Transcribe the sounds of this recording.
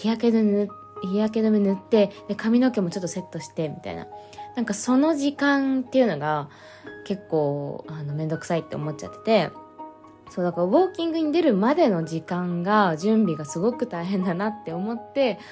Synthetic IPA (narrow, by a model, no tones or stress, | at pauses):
çiaked̪ | çiak̬e̞d̪omʲinɯ̟t̪ːe̞d̪̥e̞kamʲino̞ke̞mo̞t͡ɕo̞t̪ːose̞t̪ːo̞ɕi̥t̪e̞mʲit̪a̰ḭna̰ | nãŋkaso̞no̞ʑikãnt̪ːe̞iɯ̟no̞ɡa | ke̞kːo̞ːano̞mẽ̞nd̪o̞kɯ̟̥sait̪ːe̞o̞mo̞t̚t͡ɕa̰t̪ːe̥t̪e̞ | soːd̪akaɾaβo̞ːkʲĩŋɡɯ̟ɲ̟id̪e̞ɾɯ̟mad̪e̞no̞d͡ʑikãŋɡaʑɨ̃mbʲiɡasɨɡo̞kɯ̟t̪aiɦẽ̞nd̪anat̪ːe̞o̞mo̞t̪ːe̞